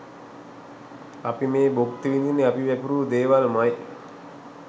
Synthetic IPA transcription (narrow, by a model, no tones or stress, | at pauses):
apimeːbokt̪əʋind̪ineapiʋɛpuɾuːd̪eːʋalmaj